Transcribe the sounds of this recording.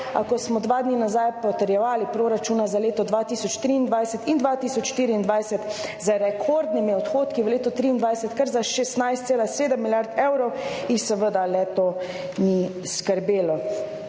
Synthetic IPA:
a̰kɔsmɔd̪ʋaːd̪ninazajpɔt̪əɾjɛʋaːlipɾoːɾat͡ʃuːnazaleːt̪ɔd̪ʋat̪isɔt͡ʃt̪ɾiːnd̪ʋajsət̪ind̪ʋat̪iːsɔt͡ʃʃt̪iɾiːnd̪ʋajsət̪zaɾɛkʰoɾd̪nimiɔt̪xoːt̪kiʋəleːt̪ɔt̪ɾiːnd̪ʋajsət̪kəɾzaʃɛst̪najst̪seːlaseːd̪əmːiljaɾt̪ewɾɔw | ixsəʋəd̪alɛt̪o | ni | skəɾbeːlɔ

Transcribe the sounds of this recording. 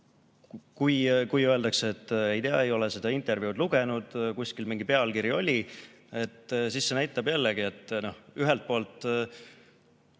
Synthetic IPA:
kujkujøeld̪ɑkseet̪ːejd̪eɑ̰e̞jo̞lese̞d̪̥ɑint̪ːˑe̞rvjud̪luɡe̞nud̪̥kuskilmiŋɡ̥ipe̞ɑlkiɾjio̞lʲi | e̞t̪ːsisːe̞næjt̪ːˑɑbjælːeɡie̞t̪ːˑno̞hyɦelt̪̚po̞ːlt̪ˑ

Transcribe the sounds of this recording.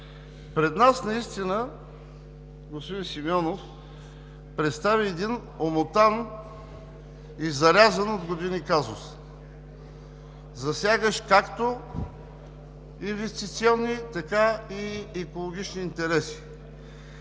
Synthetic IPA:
pɾɛd̪nasnɐist̪inə | ɡospod̪insimiɔnof | pɾɛt̪st̪aviɛd̪in | omot̪an | izɐɾʲazənod̪ɡod̪inikazʊs | zɐsʲaɡəʃkakt̪o | invɛst̪it̪siɔnːit̪ɐkaiɛkolˠoɡʲit͡ʃniːnt̪ɛɾɛsi̥

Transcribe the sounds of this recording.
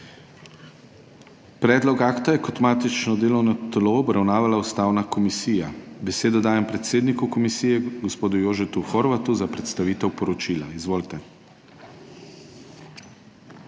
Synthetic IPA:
pɾɛːd̪lɔkaːkt̪ajɛkɔt̪maːt̪it͡ʃnɔd̪eːlɔwnɔt̪loɔbɾawnaːʋalaust̪aːwnakɔmisiːjabɛseːd̪ɔd̪aːjɛmpɾɛt̪seːd̪nikukɔmisiːjɛɡɔspoːd̪ujoːʒɛt̪uxɔɾʋat̪uzapɾɛt̪st̪aʋiːt̪ɛwpɔɾɔt͡ʃiːlaizʋoːlt̪ɛ

